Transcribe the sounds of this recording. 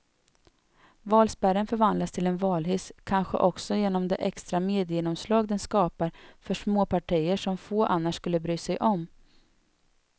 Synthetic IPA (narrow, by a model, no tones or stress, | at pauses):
vɑːlspæɾənfœɾvand̪last̪ʰɪlɛnvɑːlɦʏskʰanɧə̰ʔɔksɔjeːnɔmd̪ɛ̰ʔɛkst̪ɾameːd̪ɪːnɔmslɑːɡd̪ɛnskɑːpaɾfœʂmoːpaʈʰijəʂɔmfoːʔanːaʂskɵlːəbɾyːsɛjʔɔm